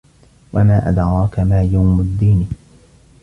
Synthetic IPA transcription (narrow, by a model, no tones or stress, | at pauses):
wamaːʔa̰d̪ɾɑːkamaːjawmʊd̪ːiːn